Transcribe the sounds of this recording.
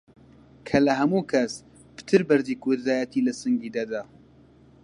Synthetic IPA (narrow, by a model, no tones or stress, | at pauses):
kʰɐlɐɦɐmuːkʰɐs | pɨ̥t̪ʰɨɾbɐɾd̪iːkʰud̪d̪aːjat̪ʰiːlɐsɨŋɡiːd̪ad̪aː